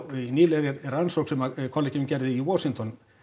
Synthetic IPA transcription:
niːlɛɾɛɛɾansoksɛmakʰɔlːɪcɪmcɛɾðɪiwɔsiŋt̪ʰɔn

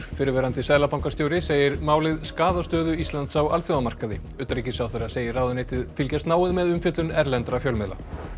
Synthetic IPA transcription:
fɪɾɪɾvɛːɾant̪ɪsɛːðlapawŋkast̪joːwɾɪseːjɪɾmaːwlɪðskaːðast̪œːðʏist̪lant̪sawalθjowðamar̥kaðɪ | ʏt̪ɾicɪsawθeɾaseːjɪraːwðʏnejt̪ɪðfɪlcast̪naːwɪðmɛðʏmfjʏt̪lʏnɛɾlɛnt̪ɾafjœwlmɛla̰

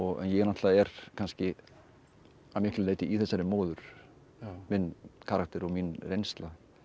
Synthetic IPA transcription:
ɔɣɛ̰njɛɣɛɾnaht̪laðɛɾkʰanscɪ | amɪhklʏleːjt̪ɪʔiθɛsːaɾɪmoːwðʏɾ̥ | mɪnkʰaːɾak̚t̪ɛɾɔɣminrejnst̪la

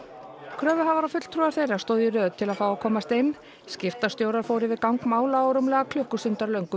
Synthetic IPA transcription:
kʰɾœːvʏɦavaɾafʏt̪l̥t̪ʰɾuaɾ̥θejɾaɾ̥st̪oːðjʏɾœːðt̪ʰɪlaðfawakʰɔːmast̪ɪnː | scɪft̪ast̪joːwɾaɾ̥foːwɾɪvɪðkawŋkmaːwlaoɾʏmlɛɣakʰlʏhkʏsʏnt̪aɾlœɥŋkʏ

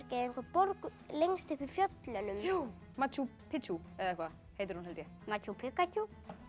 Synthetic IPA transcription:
ɾcɛðeŋkʰvapɔɾk | leŋst̪ɪfɪɾ̥fjœt̪lœnʏmu | mat͡ʃjupʰɪuɛðaɛhkva | hejt̪ɪɾ̥hunɦɛlt̪ɪ | mat͡ʃupʰɪkacu

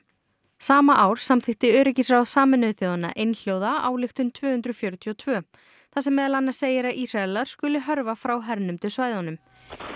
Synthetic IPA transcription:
saːmaʔaːwɾ̥samθɪxt̪ɪœːɾɪcɪsɾasaːmɪnʏðθjoːwðanːa̰ʔejnl̥jowðaawlɪxt̪ʏnt̪ʰvœːhʏnt̪ɾʏfjœɾʏt̪ʰiɔt̪ʰvœː | θasɛmːɛːðɛlanːḁseːjɪɾaʔisrallaɾ̥skʏːlɪɦœɾvafɾawɦɛɾnʏmt̪ʰɪlsvaːjðanʏm

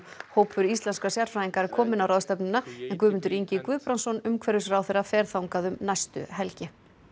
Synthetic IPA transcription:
hoːwpʏɾist̪lɛnskasjaɾ̥fɾajiŋkaɛɾ̥kʰɔːmɪnawɾaðst̪ɛpnɪnːaɛnkvʏːmʏnt̪ʏɾiɲcɪkvʏðpɾansɔnʏmkʰvɛɾʏsɾawθeɾafɛːɾ̥θawŋkaðʏmnajst̪ʏ̰ɦɛlcɪ

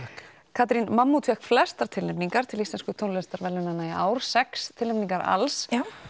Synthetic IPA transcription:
kʰaːt̪ɾinmamːut̪ʰɛkflɛst̪aɾ̥t̪ʰɪlnɛpniŋkaɾt̪ʰɪlist̪ɛnskʏt̪ʰownlɛnst̪aɾvɛlːʏnanaiʔa̰ːwɾ̥sɛkst̪ʰɪlɛpniŋkaɾa̰ls

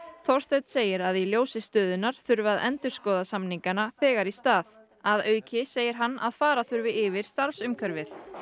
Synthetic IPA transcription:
θɔr̥st̪ɛt̪seːjɪɾaðiljoːwsɪst̪œːðʏnaɾ̥θʏɾvaðɛ̰nt̪ʏɾ̥skɔːðasamniŋkanaθɛːɣaɾist̪aːð | aðœːɥcɪseːjɪɾ̥ɦanːa̰ðfaːɾaθʏɾvɪʔɪvɪɾ̥st̪aɾfsʏmkʰœɾvɪθ

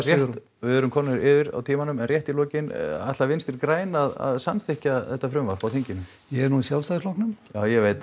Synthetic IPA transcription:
rjɛt̪ | vɪðœɾʏmkʰɔnːɾɪːvɪɾa̰wt̪ʰiːmanʏmɛnrjɛht̪ilɔːcɪna̰jt̪lavɪnst̪ɛɾkɾaːjnaða̰ðsamθɪhcaθɛht̪ːafɾʏmvapawθiɲcɪnʏm | jɛɛɾnuisjawlst̪aslɔhknʏmjaːwjɛveːjt̪

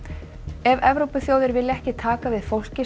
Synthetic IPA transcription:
ɛvɛvɾowpʏθjoːwðɪɾvɪlːɪɛhcɪt̪ʰaːkavɪðfowl̥cɪ

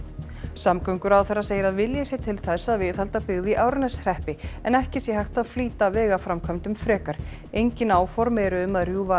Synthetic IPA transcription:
samkœɥŋkʏɾawθɛrːaseːjɪɾaðvɪljasjɛt̪ʰɪlθɛsːaðvɪðhalt̪apɪɣðiʔaːwɾnɛsr̥ɛhpɪɛnɛhcɪsjɛhajxt̪aðfliːt̪avɛːɣafɾamkʰamnt̪ʏmfɾɛːkaɾ̥ | ejɲcɪnaːwfɔɾmɛɾʏʏmaðrjuva

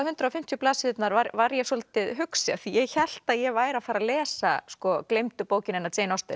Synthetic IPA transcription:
ahʏnt̪ɾawfɪm̥t̪jʏplaːsɪʏt̪naɾvaɾvaɾjɛsɔlt̪ɪðɦʏksɪaθijɛɣçɛl̥t̪aðjɛvaːjɾafaːɾalɛːsa̰skɔklejmt̪ʏpoːwcɪnɛnːat̪ʰeːjnɔst̪ɪ

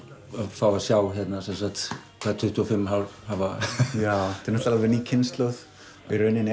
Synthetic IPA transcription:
afawvasjaːwçjɛt̪nasɛnsakt̪ | kʰat̪ʰʏht̪ʰuɔfɪmɦalvhavajawt̪ʰɛɾnɔht̪alavɪɾniːcʰɪnst̪lœð | ɪɾœnːɪnɛ

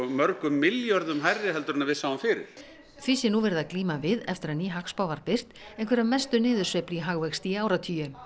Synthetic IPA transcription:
mœɾkʏmːɪljɔɾðʏmɦajrːɪɦɛlt̪ʏɾʏnavɪðsaːwamfɪːɾɪ̰ɾ | θvisɪnuvɛɾɪðaðkliːmavɪðɛft̪ɪɾaðniːɦakspaːwvaɾpɪr̥t̪ẽjnkvɛɾamɛst̪ʏnɪːðʏɾsvɛpliɦaɣvɛxst̪iaːwɾat̪ʰiːjʏ

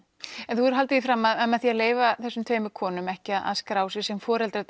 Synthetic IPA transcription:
ɛnθuɛɾ̥ɦal̪t̪ɪifɾaːmːaðmɛðθiaðleːjvaθɛsːʏmt̪ʰveːjmʏkʰɔːnʏmɛhcɪaðʔa̰ðskɾaːwsɪ̥sɛmfɔːɾɛlt̪ɾat̪

